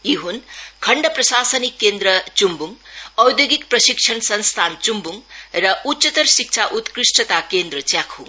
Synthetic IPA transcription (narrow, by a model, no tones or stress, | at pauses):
iɦunkʰʌɳɖʌprʌsasənikːend̪ɾʌt͡sumbuŋʌwd̪joɡik̚prʌsik̚t͡ʃʰʌnsʌnst̪ʰant͡sumbuŋrʌʔutːsʌt̪ʌrsik̚t͡sʰaʔut̪krisʈʌt̪akend̪rʌt͡sjakʰuŋ